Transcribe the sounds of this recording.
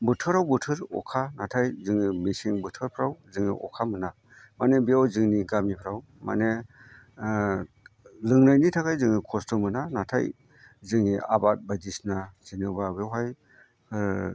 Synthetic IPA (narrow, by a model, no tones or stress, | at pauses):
bɯtʰɯɾawbɯtʰɯɾɔ̰kʰanatʰajzɯŋimisiŋbɯtʰɯɾpʰɾawzɯŋḭʔɔ̰kʰamɯna | manebiawzɯŋniɡamipʰɾaw | ma̰ne | lɯŋnajnitʰakʰajzɯŋikʰɔstɔmɯnanatʰa̰j | zɯŋia̰bat̚badisnazinɯbabewɦaj